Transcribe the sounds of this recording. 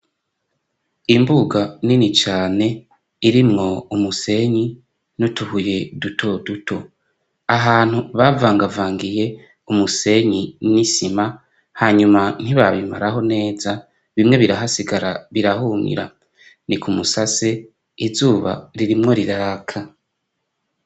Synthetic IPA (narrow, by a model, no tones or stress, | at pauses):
imbuɡaninit͡ʃaːne̞ | iɾimŋo̞umuse̞ɲi | nutuhuje̞dutʰo̞dutʰo̞ | aɦaːn̥huβavaːŋɡavaːŋɡije̞ | umuse̞ɲinisima | haɲuman̥iβaβima̰ɾaɦo̞ne̞ːza | βimŋe̞βiɾaɦasiɡaɾaβiɾahuŋḭɾa̰ | nikʰumusase | izuːβa̰ɾiɾimŋo̞ɾiɾakʰa